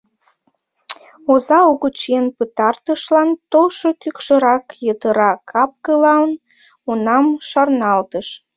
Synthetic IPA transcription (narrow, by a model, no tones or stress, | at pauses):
ozɑuɣət͡ɕenpət̪ɑrt̪əʃlɑnt̪oʃokykʃəɾɑkjət̪əɾɑkʰɑp̚kəlɑən | unɑmʃɑrnɑlt̪əʃ